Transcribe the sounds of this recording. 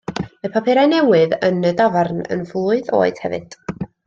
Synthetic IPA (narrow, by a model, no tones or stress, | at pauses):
məpʰapʰɛɾanɛwɨðənədavarnə̰nvluːɨðo̰ːɨd̥hɛvɨ̰d̥